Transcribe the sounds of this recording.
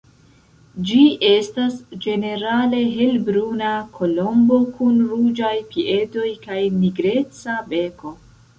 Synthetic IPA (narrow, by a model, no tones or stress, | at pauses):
d͡ʒie̞stasd͡ʒe̞ne̞ɾale̞ɦe̞lbɾunakʰo̞lo̞mbo̞kʰunɾud͡ʒajpie̞to̞jkajniɡɾe̞t͡sabe̞ko̞